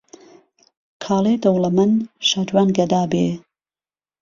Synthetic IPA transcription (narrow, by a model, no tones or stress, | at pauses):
kʰɑːleːd̪ɐwlɐmɨnʃaːd͡ʒwaːnɡɐd̪aːbeː